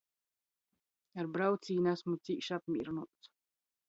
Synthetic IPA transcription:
aɾbɾawt̪siːnasmut̪siːʃapmʲḭɾnuːt̪s

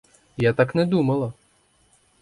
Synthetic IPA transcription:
jat̪aknɛd̪umɐlˠɐ

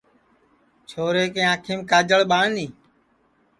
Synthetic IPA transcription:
t͡ʃʰoːɾeːkẽːãːkʰeːmkaːd͡ʒəɭɓaːniː

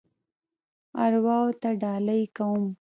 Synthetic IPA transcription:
aɾwɑwot̪aɖɑlajkawum

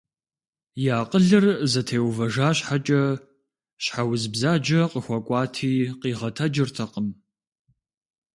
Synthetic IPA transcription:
jaːqʼəɮɨrzɐtʰeːwvɐʒaːɕħat͡ʃʼɐ | ɕħawzbzaːd͡ʒɐqəxʷɔkʷʼɑːtʰiːqiːʁɐtʰɐd͡ʒɪrtʰɐqəm

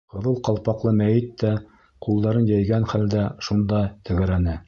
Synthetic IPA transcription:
ŏðɤlˠqɑlˠpɑqlˠɤmæjɘt̪ːæ | qulˠd̪ɑɾɤnjæjɡænχæld̪æʃund̪ɑt̪ʰɘ̆ɣɘ̆ɾænɘ

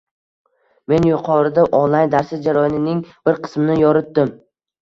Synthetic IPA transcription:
me̞njʊqʰɒɾɪd̪aʔɒnlˠaj̪d̪aɾsɪzd͡ʒaɾɒjɒnɪnɪŋb̥ɪɾqʰɨ̥smɪnɪjɒɾɪt̪̚d̪ɪm

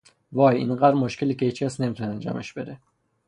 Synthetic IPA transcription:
vɒːjḭnɢæd̪ɾmoʃcʰe̞liːceit͡ʃʰæsne̞miːt̪ʰuneænd͡ʒɒ̰ːme̞ʃb̥e̞d̪e

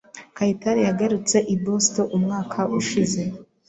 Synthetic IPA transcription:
kaitaɾijaɡaɾut͡se̞ʔibosto̞ʔumŋaːkʰaʔuʃize̞

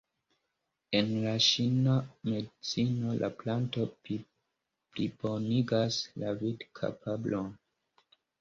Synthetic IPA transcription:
e̞nlaʃiname̞dit͡sino̞lʔa̰planto̞ | plibo̞niɡaslavidkʰa̰pʰablon

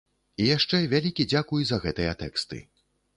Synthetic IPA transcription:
ijaʂt͡ʂɛvʲalʲikʲid͡zʲakujuzɐɣɛt̪ɨjɐt̪ɛkst̪ɨ̰

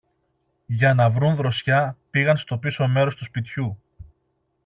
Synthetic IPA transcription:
ʝɐnɐvɾunðɾo̞sçɐpiɣɐnst̪o̞pisome̞ɾo̞st̪uspit̪çu

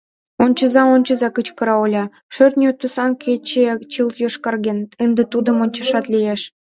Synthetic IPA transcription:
onʲt͡ɕə̆zɑonʲt͡ɕə̆zɑkət͡ɕkɤ̆ɾɑolʲɑ | ʃørt̪nʲot̪usɑnkʰet͡ɕet͡ɕɨlt̪joʃkɑrɣenənd̪ĕt̪ud̪ə̆monʲt͡ɕə̆ʃɑt̪lʲijeʃ

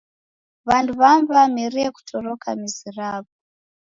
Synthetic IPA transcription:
βanduβamvamiɾieku̥tʰorokʰa̰miziraːβu

